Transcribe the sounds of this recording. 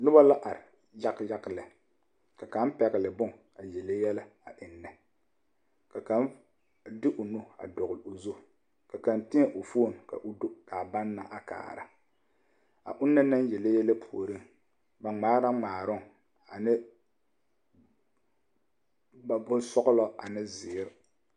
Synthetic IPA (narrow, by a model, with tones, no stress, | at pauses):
nʊ˦ba˦la˦ʔa˨ɾɪ˨ | ja˦kja˦klɪ˨ | ka˨ka˨˦npɛ˨ɣɪ˨lɪ˨bʊ˦ŋ | a˨jɛ˨le˦jɛ˦la˦a˨ʔɪ˨nːɛ˨ | ka˨ka˦n | dɪ˦ʔʊ˨no˦a̰˨dɔ˨ɣʊ˨lo˨zo˦˨ | ka˨ka˨ntɪ˦a˦˨ʔʊ˨fo˦˨n˨ka̰˨ʔʊ˦do˦ka˨ba˦nːa˨ʔa˨ka̰ː˨ɾa̰˦ | a̰˨ʔʊ˦nːa˦na˦n˦jɛ˨le˦jɛ˦la˦pʰu˨o˨ɾɨ˦ŋ | ba˨ŋ͡maː˦ɾa˦ŋ͡maː˨ɾʊ˦˨ŋ | a˨nɪ˦ | ba˨bʊ˦sɔ˦ɣʊ˦lɔ˦a̰˨nɪ˦zɪ˨˦ɾɪ˦